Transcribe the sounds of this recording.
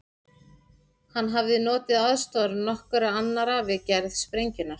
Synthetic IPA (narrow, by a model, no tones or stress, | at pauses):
hanːɦavðɪnɔːt̪ɪðaðst̪ɔɾnɔhkʏɾaanːaɾaːvɪcɛɾð̥spɾejɲcɪnːaɾ̥